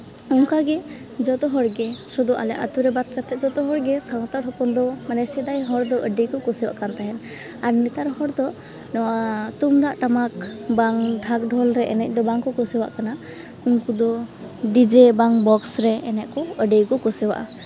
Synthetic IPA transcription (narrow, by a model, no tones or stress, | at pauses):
ɔŋkaɡɛ | d͡ʒɔt̪ɔɦɔɾɡɛsɔd̪ɔʔa̰lɛ̰ʔa̰t̪uɾɛbat̪̚kat̪ɛd͡ʒɔt̪ɔɦɔɾɡɛsawt̪aɾɦɔpɔnd̪ɔmanɛsɛd̪ajɦɔɾd̪ɔʔəɖijkɔkɔsɛwa̰ʔkant̪aɦɛn | aɾnit̪aɾhɔɾd̪ɔ | nɔwat̪umd̪aʔʈamakbaŋɖʱakɖʱɔlɾɛʔɛnɛc̚ˀd̪ɔbaŋkɔkɔsɛwa̰ʔkana | uŋkud̪ɔ | ɖid͡ʒɛbaŋbɔksɾɛːnɛʔkɔəɖejkɔkɔsɛwa̰ʔa